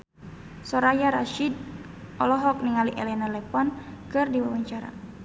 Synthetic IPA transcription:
sɔɾajaɾaʃid̪̚ | ʔɔlɔɦɔk̚niŋaliʔɛlɛnalɛpɔnkɨrdiwawaɲt͡ʃaɾa̰

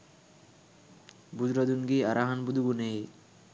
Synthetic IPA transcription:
bud͡ʒɾɔd̪unɡiaɾʔaɦanbud̪uɡunej

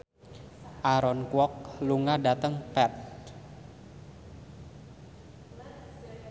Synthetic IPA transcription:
ʔaɾɔnkwɔk̚luŋadat̪əŋpɛt̪̚

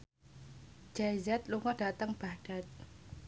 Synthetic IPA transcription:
d͡ʒ̥ajzat̪̚luŋɔd̥at̪əŋb̥aɖ̥at̪̚

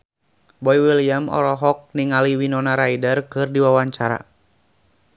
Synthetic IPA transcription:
bɔiwiliamɔ̰lɔɦɔk̚niŋaliwinɔnaɾaidərkɨrdiwawaɲt͡ʃaɾa̰

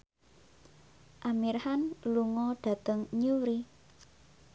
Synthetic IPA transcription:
ʔamirhanluŋɔɖ̥ä̤t̪əŋɲuɾi

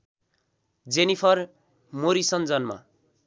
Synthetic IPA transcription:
d͡zenipʰʌr | moɾisʌnd͡zʌnma̰

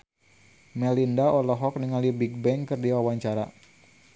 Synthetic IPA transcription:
mɛlindaʔɔlɔɦɔk̚niŋalibiɡ̚bɛŋkɨrdiwawaɲt͡ʃaɾa̰

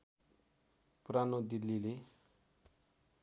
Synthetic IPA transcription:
puɾanod̪ilːile

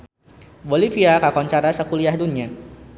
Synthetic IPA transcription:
bolifiakakɔɲt͡ʃaɾasəkuliahduna

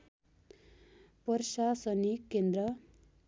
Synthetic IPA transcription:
pʌɾʃasʌnikend̪ɾʌ

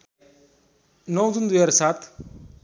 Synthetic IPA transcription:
nɔwzund̪ujaɾsaːt̪ʰ

